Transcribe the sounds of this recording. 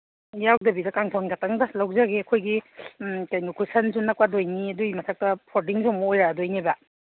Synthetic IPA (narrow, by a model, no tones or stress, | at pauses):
jawdɐbidɐkaŋtʰonɡataŋdɐlawzaɡeɐkʰojɡi | kajnikʰusɐnsunːɐkwadojniɐduimɐsʰak̚tɐpʰoɾdiŋsɔŋmɐojɾaadojniba